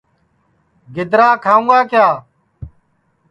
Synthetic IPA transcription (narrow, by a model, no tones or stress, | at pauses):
ɡɪd̪ɾaːkʰaːũːɡaːkjaː